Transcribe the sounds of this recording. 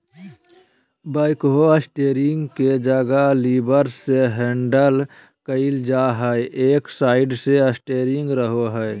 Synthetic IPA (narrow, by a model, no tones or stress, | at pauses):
baːɪkɦoəsʈeːɾɪ̃ŋɡked͡ʒəɡalibəɾseɦẽɳɖəl | kəɪld͡ʒaɦəʔeːksaːɪɖseəsʈeːɾɪŋɡɾəɦoɦəe